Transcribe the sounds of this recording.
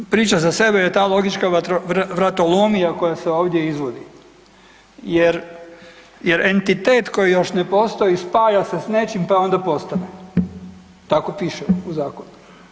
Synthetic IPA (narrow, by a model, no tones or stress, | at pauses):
pɾiːt͡ʃazase̞bejet̪aːlˠo̞ɡit͡ʃkaoʋɾat̪olomijako̞jaseo̞ːʋd̪ʲje̞izʋo̞d̪i | jeɾ | jeɾe̞nt̪it̪eːt̪ko̞jijo̞ʃne̞po̞st̪o̞ispaːjase̞sne̞t͡ʃimpao̞nd̪apo̞st̪ane | t̪akopiʃeuzaːkonu